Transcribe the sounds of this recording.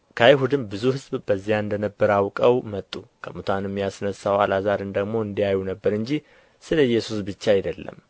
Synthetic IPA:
kʰəiɦud̪ɨmbɨzuhɨzbbəzːijaɨnd̪ənəbːəɾawkʼəwmət̪ʼːukʰəmut̪ʰanɛmːjasnəsːawalazaɾɨnd̪əɡmo̞ɨnd̪ijajːunəbːəɾɨɲd͡ʒi | sɨləɨjːɛsusbɨt͡ʃːajɪd̪əlːə̰m

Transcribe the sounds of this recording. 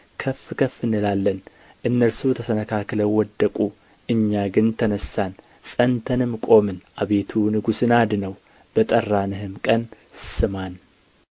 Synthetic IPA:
kʰəfːkʰəfːɨnːɨlalːən | ʔɨnːəlsut̪ʰəsənəkʰakləwɔd̪ːəkʼu | ʔɨɲːaɡɨnt̪ʰənəsːan | sʼənt̪ʰənɨmkʼo̞mɨnʔaβe̞t̪ʰunɨɡusɨnad̪nəw | b̥ət̪ʼərːanɨɦɨmkʼən | sɨman

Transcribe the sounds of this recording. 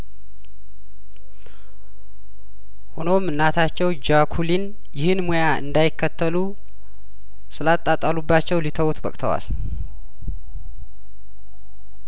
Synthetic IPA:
hono̞mɨnːat̪ʰat͡ʃːɛwd͡ʒakʰulin | jɪhɨnmojaʔɨ̰nd̪ajɪkʰːət̪ːəlu | sɨlat̪ʼːat̪ʼalubːat͡ʃːɛwlit̪ʰəwt̪bə̰kʼt̪ʰəwa̰l

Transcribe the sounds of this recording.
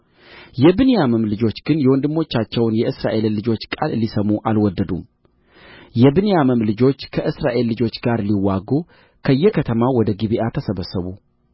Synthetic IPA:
jɛbɨnejaməmlɨd͡ʒo̞t͡ʃːɡ̥ɨnjɛwɔnd̪ɨmːo̞t͡ʃːat͡ʃːɛwnjɛʔɨsɾa̰ʔe̞llɨd͡ʒo̞t͡ʃːkʼa̰lːisəmuʔalwɔd̪ːəd̪um | jɛbɨnejaməmlɨd͡ʒo̞t͡ʃːkʰəʔɨsɾaʔe̞lːɨd͡ʒo̞t͡ʃːɡaɾliwːaɡu | kʰəjːɛkʰət̪ʰəmawɔd̪əɡiβiʔat̪ʰəsəβəsːəβṵ

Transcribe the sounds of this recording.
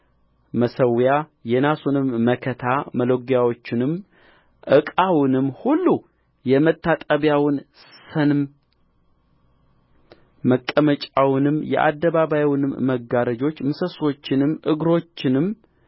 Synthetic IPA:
məsəwjajɛnasunɨmːəkʰət̪ʰaməloɡjawo̞t͡ʃːɪnɨm | ʔɨkʼawɨnɨmːhulːu | jɛmət̪ʰːat̪ʼəβjawɨn | sənm | əkʼːəmət͡ʃʼawnɨmjɛ̰ʔa̰d̪ːəβaβajwnɨmːəɡːaɾəd͡ʒo̞t͡ʃːmɨsəso̞t͡ʃːɪnɨmːʔɨɡɾo̞t͡ʃːɪnɨm

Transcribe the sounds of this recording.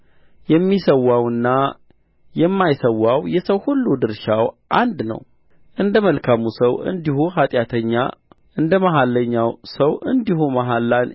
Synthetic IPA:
jɛmːisəwawɨnːa | jɛmːajsəwːawjɛsəwhulːud̪ɨɾʃawʔand̪nə̰w | ʔɨnd̪əməlkʰamusəwʔɨ̰nd̪ihuhat̪ʼjat̪ʰəɲːa̰ | ɨnd̪əmaɦalːəɲːawsəwɨ̰nd̪ihumaɦalːan

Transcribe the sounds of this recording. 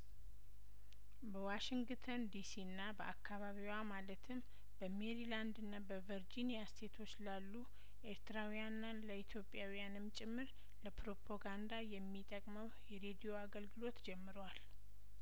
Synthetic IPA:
bəwaʃiŋɡt̪ʰənd̪isiɨnːabəʔakʰːaβaβiwamalət̪ʰɨm | b̥əme̞ɾiland̪ɨnːabəvəɾd͡ʒinijast̪ʰe̞t̪ʰo̞t͡ʃːlalːu | ʔe̞ɾt̪ɾawijanːanləit̪ʰjo̞pʼjawijanɨmt͡ʃʼɪmːɨɾ | ləpɾo̞pʰoɡand̪ajɛmːit̪ʼəkʼməwjɛɾe̞d̪ijo̞aɡəlɡɨlo̞t̪d͡ʒɛmːɨɾwal

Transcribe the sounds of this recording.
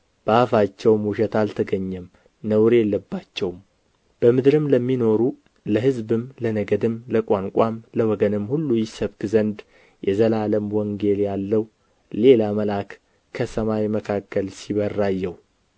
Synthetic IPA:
b̥əafat͡ʃːɛwmuʃɛt̪alt̪ʰəɡəɲːɛm | nəwɾelːəbːat͡ʃːɛwm | b̥əmɨd̪ɾɨmləmːino̞ɾu | ləhɨzbɨmlənəɡəd̪ɨmləkʼaŋkʷʼamləwɔɡənɨmːhulːujɪsəβkɨzənd̪ | jɛzəlaləmwɔŋɡe̞ljalːəw | le̞laməlakːʰ | əsəmawməkʰakːəlsiβərːajːɛw

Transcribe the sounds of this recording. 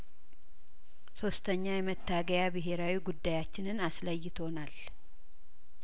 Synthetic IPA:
so̞st̪ʰəɲːajɛmət̪ːaɡəjabɨɦe̞ɾawiɡud̪ːajat͡ʃːɪnɨnasləjːɪt̪ʰo̞nal

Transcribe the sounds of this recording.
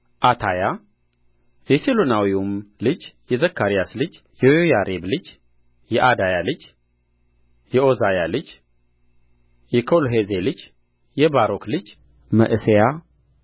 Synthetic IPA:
ʔat̪ʰaja | jɛselonawiumlɨd͡ʒjɛzəkʰːaɾijaslɨd͡ʒ | jɛwojaɾʔeblɨd͡ʒ | jɛʔad̪ajalɨd͡ʒ | jɛʔozajalɨd͡ʒ | jɛkʰolɦezelɨd͡ʒ | jɛbaɾoklɨd͡ʒ | mə̰ʔɨseja

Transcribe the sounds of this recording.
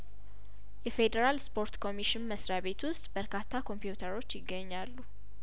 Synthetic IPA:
jɛfe̞d̪əɾalspʰo̞ɾt̪kʰo̞miʃɪnməsɾaβe̞t̪wʊst̪ʼbəɾkʰat̪ʰːakʰo̞mpijut̪ʰəɾo̞t͡ʃːjɪɡːəɲːalːu

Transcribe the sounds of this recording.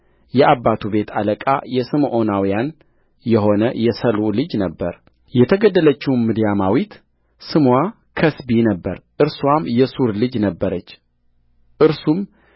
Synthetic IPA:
jɛʔabːat̪ʰube̞t̪ʰaləkʼa̰jɛsɨmʔo̞nawijan | jɛɦo̞nəjɛsəlulɨd͡ʒnəbːəɾ | jɛt̪ʰəɡəd̪ːələt͡ʃːɪwnmɨd̪jamawit̪ | sɨmwa | kʰəsbinəbːə̰ɾʔɨɾswamjɛsuɾlɨd͡ʒnəbːəɾət͡ʃː | ʔɨɾsum

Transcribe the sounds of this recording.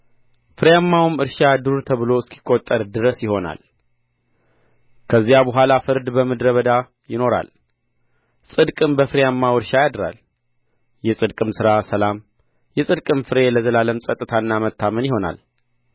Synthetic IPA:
fɨɾjamːawmɨɾʃad̪uɾuɾt̪ʰəβɨlo̞ɪskʰi̥kʼːot̪ʼːəɾd̪ɨɾəsjɪho̞na̰l | kʰəzːijabəɦʷalafɨɾd̪bəmɨd̪ɾəβəd̪a | jɪno̞ɾa̰l | sʼɨd̪kʼɨmbəfɨɾjamːawɨɾʃajad̪ɾa̰l | jɛsʼɨd̪kʼɨmsɨɾasəlam | jɛsʼɨd̪kʼɨmfɨɾe̞ləzəlaləmsʼət̪ʼːɨt̪ʰanːamət̪ʰːamənjɪho̞na̰l

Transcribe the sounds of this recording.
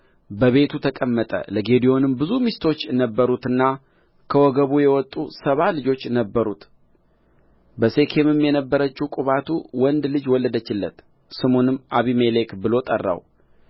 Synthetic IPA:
bəβe̞t̪ʰut̪ʰəkʼəmːət̪ʼə̰ləɡe̞d̪ijo̞nɨmbɨzumist̪ʰo̞t͡ʃːjɛnəbːəɾut̪ɨnːa | kʰəwɔɡəβujɛwɔt̪ʼːusəβalɨd͡ʒo̞t͡ʃːnəbːəɾut̪ | bəse̞kʰe̞mɨmjɛnəbːəɾət͡ʃːiwkʼuβat̪ʰuwɔnd̪lɨd͡ʒwɔlːəd̪ət͡ʃːɪlːət̪ | sɨmonɨmʔaβimelekbɨlo̞t̪ʼərːa̰w

